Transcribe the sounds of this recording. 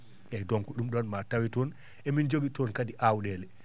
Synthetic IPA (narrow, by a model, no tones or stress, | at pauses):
ʔɛdɔŋkuɗumɗɔnmatawitɔn | ɛmind͡ʒoɡitɔnkadiʔawɗɛːlɛ